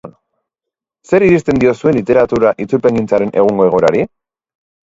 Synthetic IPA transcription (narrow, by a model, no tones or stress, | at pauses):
se̞ɾiɾist̪e̞nd̪io̞sue̞nlit̪e̞ɾat̪uɾaʔit͡suɾpe̞ŋɡint͡saɾe̞nʔe̞ɣuŋɡo̞e̞ɣ̞o̞eɾa̰ɾi